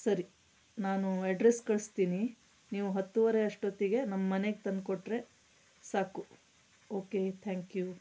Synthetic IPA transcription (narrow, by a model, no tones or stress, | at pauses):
sɐɾi | naːnuɐɖɾeskɐɭst̪iːni | niːʋuɦɐt̪ːuʋɐɾeɐʂʈoːt̪iɡe̞nɐmːɐːɐne̞ɡet̪ɐnd̪koʈːɾe̞ | saːku | oːket̪ʰaːŋkju